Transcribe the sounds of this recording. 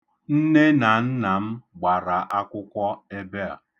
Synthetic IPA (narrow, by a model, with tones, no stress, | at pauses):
n̩˦ne˦na˨n̩˦na˨m̩˦ɡ͡ba˨ɾa˨ʔa˦kʷʊ˦kʷɔ˦e˦be˦a̰˨